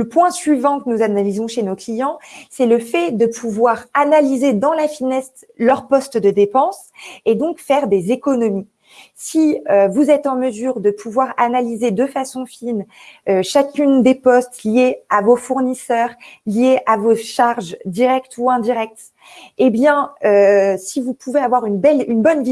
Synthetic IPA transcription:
ləpwɛ̃sɥivɑ̃kənuzanalizɔ̃ʃenoklijɑ̃sɛləfɛd̪əpʰuvwaʁanalized̪ɑ̃lafinɛst̪ | lœʁpɔst̪d̪əd̪epɑ̃s | ed̪ɔ̃kfɛʁd̪ezekɔnɔmi | siøvuzɛt̪ɑ̃məzyːʁd̪əpʰuvwaʁanalized̪əfasɔ̃fin | øʃakʲynd̪epɔst̪lijeavofuʁnisœʁlijeʔavoʃaʁʒd̪iʁɛk̚t̪ʰuɛ̃d̪iʁɛk̚t̪ | ebjɛ̃øsivupʰuveavwaʁynbɛlynbɔnvi

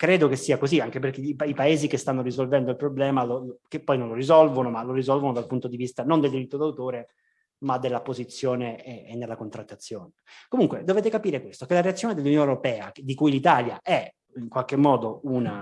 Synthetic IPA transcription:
kɾeːd̪okesːiːakoziaŋkep̬erkepaipaeːzikest̪anːorizolvɛnd̪oilpɾoblɛːmalolkepːɔjnõnlorizɔlvonomalorizɔlvonod̪alpunt̪od̪ivist̪anond̪eld̪iɾit̪ːod̪awt̪oːɾe | mad̪elːapozit̪sːjoːneeːnːelːakont̪ɾat̪ːat̪sːjoːnekomuŋkwed̪oveːt̪̬ekapiːɾekwest̪okelaɾeat̪sːjoːned̪elːunjoːneɾopɛːad̪ikujlit̪aːlja̰ʔɛ | iŋkwalkemːɔːd̪ouna

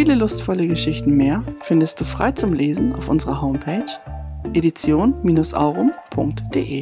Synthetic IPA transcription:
fiːləlʊstfɔləɡəʃɪçtn̩meːɐfɪndəst̚d̥uːfʁ̥a̰ɪt͡sʊmleːzn̩a̰ʊfʔʊnzəʁɐhoʊmpʰeːt͡ʃʔeɾit͡sjoːnmiːnʊsʔa̰ʊʁʊmpʰʊŋk̚td̥ḛːʔeː

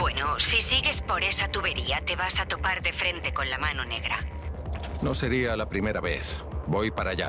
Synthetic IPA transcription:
bwe̞nosisiɣe̞spo̞ɾe̞sat̪uβe̞ɾiat̪e̞β̞asat̪o̞paɾðe̞fɾe̞nt̪e̞ko̞nlamano̞ne̞ɣ̞ɾa̰ | nose̞ɾialapɾime̞ɾaβḛθbojpaɾaʎa̰

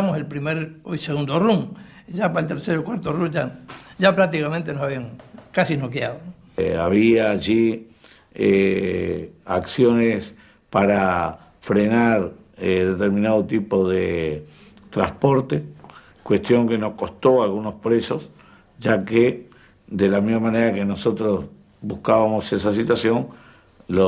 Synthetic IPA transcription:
moselpɾimeɾojseɣund̪oruŋʒapaelt̪eɾseɾokwaɾt̪orud͡ʒaʒapɾak̚t̪ikament̪enosaβiaŋkasinokjaðo | aβiaːʒi | e | a̰ksjo̞nes | paɾa | fɾenaɾ | eðe̞t̪eɾmĩnaðot̪ipo̞ðe | t̪ɾaspo̞ɾt̪e | kwe̞st̪jo̞ŋke̞no̞hko̞st̪o̞alɣuno̞spɾe̞so̞s | ʒake | d̪elamizmamaneɾakeno̞so̞t̪ɾo̞s | buskaβamo̞se̞sas̬it̪wasjo̞ŋ | lo

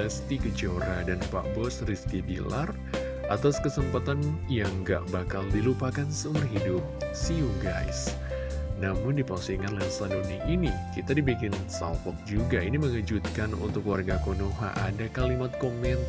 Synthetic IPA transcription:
əskikət͡ʃoɾadanpa̰ʔbɔsriskibilar | ʔat̪askəsəmpat̪anjaŋɡa̰ʔbakaldilupakansəumbərɦidʊp̚siuɡa̰js | namʊndipasiŋanlɛnsadoniʔinikit̪adibikɪnsa̰lfɔk̚d͡ʒuɡainiməŋəd͡ʒut̪̚kanṵnt̪ʊkwarɡakonoɦa̰ʔadakalimat̪̚komɛn

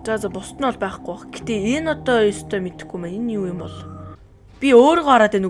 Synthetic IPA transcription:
t͡sat͡sɔːpʊst̪ə̆nɔɮpæːχɡujɔχɡ̥et̪eːenɔt̪ɔːjɔst̪ʰœːmet̪ɘ̥̆xɡujmænenuːjʊmpɔɮ | pʲioːɾʁɔɾaːt̪æːnɵ

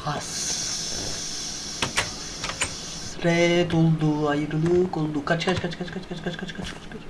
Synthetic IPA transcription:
hɐs | ɾet̪old̪uajiɾulukold̪ukɐt͡ʃʰkɐt͡ʃʰkɐt͡ʃʰkɐt͡ʃʰkɐt͡ʃʰkɐt͡ʃʰkɐt͡ʃʰkɐt͡ʃʰkɐt͡ʃʰkɐ̥t͡ʃʰkɐt͡ʃʰ

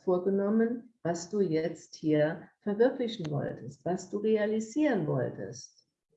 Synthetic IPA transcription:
foːɐɡənɔmənvasd̥uːjɛt͡sthiːɐfɛɐvʏɐklɪçn̩vɔ̰ltəstv̥asd̥uːʁealiziːʁənvɔ̰ltə̰st̚

